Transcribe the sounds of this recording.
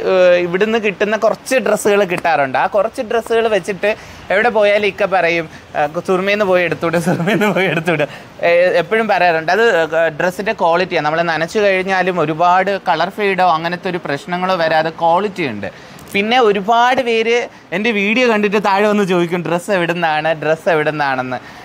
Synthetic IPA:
iʋiɽunːɨkiʈːunːɐkurɐt͡ɕːɨɖresːuɣɐɭkiʈːaːruɳɖɨaːkurɐt͡ɕːɨɖresːuɣɐɭʋet͡ɕːiʈːɨ | e̞ʋiɽe̞po̞ːjaːlmikːɐpɐrɐjum | surmɐjenːɨpo̞ːjeɽut̪ːuɳɖɨsurmɐjenːɨpo̞ːjeɽut̪ːuɖɨ | epːɐɻumpɐrɐjaːruɳɖɐðɨɖresːindeko̞ːɭitːijanɐmːɐɭenɐnɐt͡ɕːukɐɻiɲːaːlumo̞ɾubaːɽɨkɐɭɐrfeːjiɽoːɐŋːɐnet̪ːo̞ɾuprɐɕnɐŋːɐɭoːʋɐɾaːɐðeko̞ːɭitːijuɳɖɨ̰ | pinːe̞o̞ɾubaːɽɨʋeːɾe | e̞ndeʋiːɽijɐkɐɳɖit̬ːɨt̪aːɻɨʋɐnːɨt͡ɕo̞ːðikʲːumɖresːeʋiɽenːaːɳɨɖreseʋiɽenːaːɳenːɨ

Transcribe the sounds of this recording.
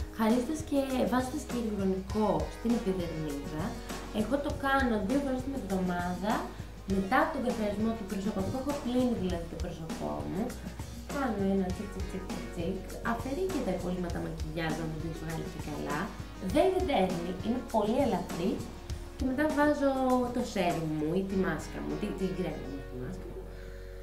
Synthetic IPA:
xɐɾist̪esce̞vɐzet̪esceliɣɾo̞niko̞st̪ineðiðeɣniðɐ | eɣo̞t̪o̞kɐno̞ðiofoɾost̪imevðo̞mɐðɐ | me̞t̪ɐːpot̪oðiɐfiɐizmo̞t̪upɾoso̞pɐft̪oexopliniðilɐðit̪o̞pɾo̞so̞po̞̰mu | kɐno̞enɐt͡sikt͡sikt͡sik̚t͡sikt͡sik | ɐfe̞ɾicet̪ɐipo̞limɐt̪ɐmɐciʝɐznɐmit̪inisoɣɐlḭcekɐlɐ̰ | ðe̞nineðexniʔine̞po̞lielɐfɾi | ceme̞t̪̬ɐvɐzot̪o̞se̞ɾimuit̪imɐskɐ̰mṵt̪it̪iɡɾenɐ̰mut̪imɐ̰skɐmu

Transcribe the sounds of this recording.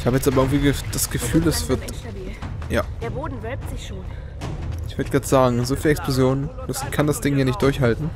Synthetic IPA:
ʔɪçhaːbəjɛt͡staːbɐʔɪŋtviːɡəd̥asɡ̥əfyːlɛsv̥ɪɐt | jaːd̥eːɐboːdn̩vɛtz̥ɪçʃoːn | ɪçv̥ʏɐdəɡʁaːtz̥aːɡŋ̩zoːfiːlɛksplozjoːnənd̥askʰandasd̥ɪŋhjaːnɪçt̚d̥ʊɐçhaltn̩

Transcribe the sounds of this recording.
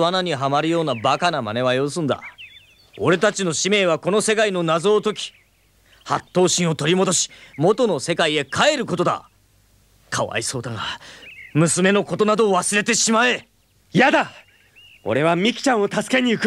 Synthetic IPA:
βanaɲ̟iɦamaɾɯ̟jo̞ːnabakanama̰ne̞βajoːs̬ɨ̃nd̪a̰ | o̞ɾe̞t̪at͡ɕino̞ɕime̞ːβako̞no̞se̞kaino̞nazo̞ːt̪o̞kʲi̥ | hat̪ːo̞ːɕĩɰ̃o̞t̪o̞ɾʲimo̞d̪o̞ɕi̥mo̞t̪o̞no̞se̞kaie̞kʰae̞ɾɯ̟ko̞t̪od̪a̰ | kʰaβa̰iso̞ːd̪aɡa | mɯ̟sɨme̞no̞ko̞t̪o̞nad̪o̞ːβasɨɾe̞t̪e̞ɕimae̞ | jad̪a | o̞̰ɾe̞βamʲikʲi̥t͡ɕãɰ̃o̞t̪asɨ̥ke̞ɲ̟iɯk

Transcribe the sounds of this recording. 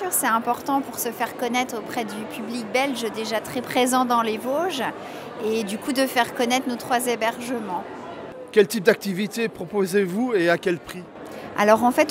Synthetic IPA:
yʁsɛt̪ɛ̃pɔʁt̪ɑ̃puʁsəfɛʁkɔnɛt̪χopχɛd̪ypʰyblik̚bɛlʒd̪eʒat̪χɛpχezɑ̃d̪ɑ̃levoʒ | ed̪ykud̪əfɛʁkɔnɛt̪χnot̪χwazebɛʁʒəmɑ̃ | kʲɛlt̪ip̚d̪ak̚t̪ivit̪epχɔpozevueakʲɛlpχi | a̰lɔʁɑ̃fɛt̪

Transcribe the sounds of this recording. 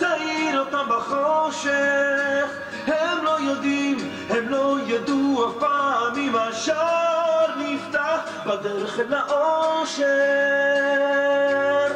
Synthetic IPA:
t̪aiɾot̪ambaχoʃeχ | hɛmlojod̪im | hɛmlojad̪uapaamːimaʃaɾnift̪aħ | bad̪ɛɾeχelaʔoʃe

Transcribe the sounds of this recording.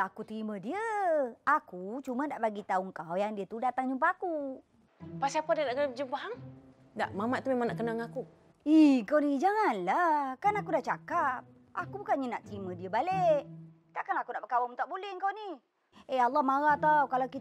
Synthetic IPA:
akut̪əɾimədiəakut͡ʃumədaʔbaɡit̪auŋkawjaŋdiət̪udat̪aŋd͡ʒumpaaku | pasiapadiənaʔkəəbəd͡ʒəbaɦaŋ | da̰ʔmamaʔt̪umemãŋnaʔkənaŋaku | ihŋkawnid͡ʒaŋanlakanakudaht͡ʃakap̚ | a̰kubukanɲənaʔt̪əɾimədiəbaleʔ | t̪aʔkanakunaʔbəkawamt̪aʔbulɪhŋkawni | ealːɑhmaɾat̪awkalawki

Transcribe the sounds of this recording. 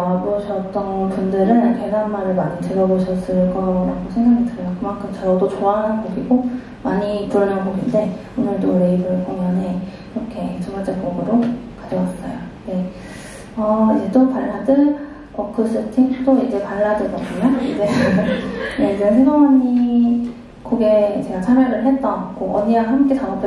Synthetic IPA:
boɕʰʌt͈̚ʌnpundɯɾɯɭkʰeɾɦanmaɾɯɭmaɲitɯɾʌboɕʰʌs͈ɯɭk͈ʌɾaɡosʰeŋɡakʰedɯɾjokɯmankʰɯmt͡ɕʌɾʌdot͡ɕoaɦnɡoɡiɡo | maɲituɾmʌnɦʌɡinde̞ | onɯɭdoɾeibɯɭk͈oŋane̞ | iɾʌkʰe̞t͡ɕomad͡ʑʌk͈ʌɡɯɾokad͡ʑʌwas͈ʌ̰jone | ʌid͡ʑe̞t͈opaɭːadɯɭ | kʌkʰɯs͈ʰɯtʰiŋt͈oid͡ʑe̞paɭːadɯɡʌbuɲaḭbeɦɡʌnɯnjeid͡ʑesʰeŋɡamaɲi | kʌɡe̞t͡ɕe̞ɡat͡ɕʰameɾɯɭɦe̞t̚t͈ʌkoʔʌɲiwaɦamk͈et͡ɕanʌp͈ʰ

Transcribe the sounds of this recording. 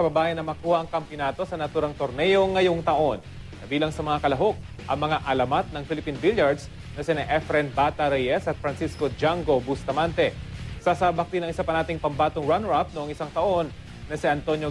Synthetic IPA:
kɐbɐbaːjɐnːɐmɐkuːhɐʔɐŋkɐmpjonaːt̪o̞sɐnɐt̪uːɾɐŋt̪o̞ɾnɛjo̞ŋːɐjoŋt̪ɐʔo̞n | kɐbiːlɐŋsɐmɐŋakɐlɐɦo̞k̚ | ʔɐŋmɐŋaʔɐlɐmat̪̚nɐŋfɪlɪpinbiljɐɹd̪s | nɐsɪnɐʔɛfɾɛnbaːt̪ɐɾɛjɛsɐt̪̚fɾɐnsiskod͡ʒaŋɡo̞bʊst̪ɐmant̪ɛsasaːbɐk̚d̪inɐŋɪsapɐnaːt̪ɪŋpɐmbaːt̪oŋɹanɹap̚noʔoŋɪsaŋt̪ɐʔo̞nː | ɐsɪɐnt̪o̞njo

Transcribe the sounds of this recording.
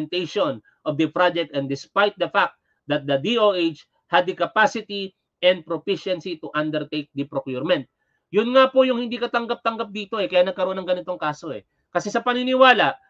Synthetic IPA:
nt̪ejʃon | ʔovd̪ɐpɹad͡ʒɛk̚t̪ɛ̃nd̪ɪspajt̪̚d̪ɐfak̚t̪̚ | d̪ɐt̪̚d̪ɐd̪ioʔejt͡ʃ | hɐd̪ɐkɐpasɪt̪i | ʔɛ̃nd̪̚pɾopiʃɛnsit̪ʊʔand̪ɛɹt̪ejk̚d̪ɐpɾokjuɹmɛnt̪̚ | jʊnŋapo̞jʊŋhɪnd̪iːkɐt̪ɐŋɡap̚t̪ɐŋɡap̚d̪iːt̪o̞ɛkɐjaːnɐɡ̚kɐɾoonɐŋɡɐnɪt̪o̞ŋkaːso̞ʔɛ | kɐsɛsɐpɐŋnɪnɪwaːlaʔ

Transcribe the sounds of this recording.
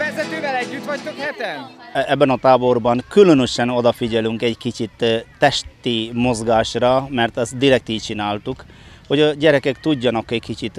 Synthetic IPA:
vɛzɛt̪øːvɛlɛɟːyt̪ʋɒct̪okhɛt̪ɛnɛbːɛnɒt̪aːbo̞rbɒŋkylønøʃɛno̞d̪ɒfiɟɛlyŋkɛɟkit͡ʃit̪ːɛʃt̪imo̞zɡaːʃrɒmɛrt̪ɛst̪̚d̪iɾɛk̚t̪iːt͡ʃinaːlt̪uk | ho̞ɟɒɟɛɾɛkɛkt̪uɟːɒnɒkɛɟkit͡ʃit̪

